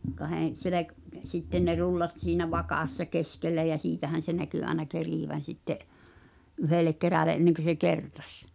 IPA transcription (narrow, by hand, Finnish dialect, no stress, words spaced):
kɑhen̞ selek sitːen ne rulːɑt siːnæ ʋɑkɑˑsːɑ keskelːæ jæ siːtæhæn̞ se næky ɑenɑ keriˑʋæn̞ sitːeʔ ʔyhelek keræle ʔenːeŋkø se kertɑ̥s